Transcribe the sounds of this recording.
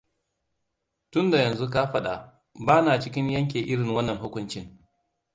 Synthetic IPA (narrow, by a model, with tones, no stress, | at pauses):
tʊ˦nda˨jɐ˨nzu˦k̬a˦ɸɐ˦ɗa˨ | baː˦naː˨t͡ʃɪ˦kʲɪ˦ɲjɐ˦ŋk̬ʲeː˨ʔɪ˦ɽɪ˨ŋwɐ˦nːɐ˨ŋɦʊ˦kʷʊ˦nt͡ʃɪ˦ŋ